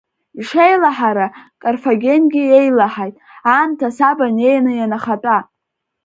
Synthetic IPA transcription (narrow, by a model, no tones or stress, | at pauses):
iʂejlaħaɾakʼarfaɡʲe̞nɡʲie̞jlaħajtʼaːntʰasabane̞jnɨjanaχatʼa